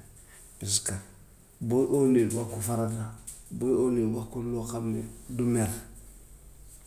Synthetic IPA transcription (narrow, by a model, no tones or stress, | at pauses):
is̬ka | boʔonedwakufaɾadaboonewakulokamɛdumeɾ